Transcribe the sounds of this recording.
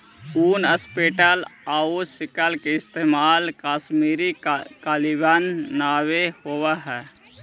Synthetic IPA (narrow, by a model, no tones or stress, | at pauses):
uːnəspeːʈəlaːusɪkəlkeɪst̪eːmaːlkaːsmiːɾikaːlibanːaːwehowaɦɛː